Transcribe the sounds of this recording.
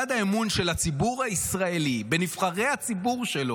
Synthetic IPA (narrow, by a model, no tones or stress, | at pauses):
ad̪aemunʃelat͡sibuʁhaisʁaelibe̞nifχaʁe̞jhat͡sibuʁʃelo